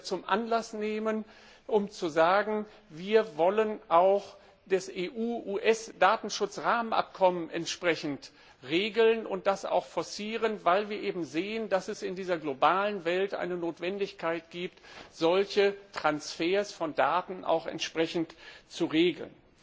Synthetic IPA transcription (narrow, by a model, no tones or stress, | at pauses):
t͡sʊmʔa̰nlasneːmən | ʔʊmt͡suzaːɡŋ̩ | viːɐvɔlənʔaʊx | d̥ɛsʔeːʔuːʔuːʔɛsd̥aːtn̩ʃʊt͡sʁaːmənʔa̰p̚kʰɔmənʔɛ̰ntʃpʁ̥ɛçn̩t | ʁeːɡl̩nʊnt̚d̥asa̰ʊxfɔɐsiːʁənvaɪlviːɐʔeːbm̩zeːəndasɛsɪndiːzɐɡlobaːlənvɛltʔa̰ɪnənoːtv̥ɛndɪçkʰaɪtɡ̥iːp̚tz̥ɔlçətʁ̥ansfeːɐsfɔndaːtn̩ʔa̰ʊxɛ̰ntʃpʁ̥ɛçn̩tt͡suʁeːɡl̩n